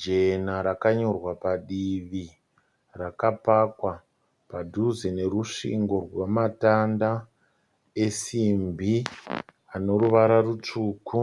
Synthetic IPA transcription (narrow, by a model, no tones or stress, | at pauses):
d͡ʒenaɾakaɲo̞rwapaɗiʋi | rakapakwa | padʱuzene̞ɾuʂḭŋɡo̞rwamatanda | e̞simbʱi | ano̞ɾuʋaɾarut͡ʂuːku